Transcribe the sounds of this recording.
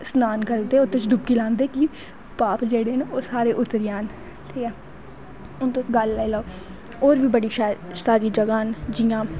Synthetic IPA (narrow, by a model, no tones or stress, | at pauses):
snaːnkəɾd̪eːot̪ʊt͡ʃd̪ʊb̚kiːlãːnd̪eːki | paːpd͡ʒeːɽeːnoːsaːɾeːʔʊt̪ːəɾɪjãːn | t̪ʰiːɛː | ʊnt̪oɡəlːailao | oːɾʋiːbəɽiːʃsaːɾiːd͡ʒəɡaːnd͡ʒɪjãː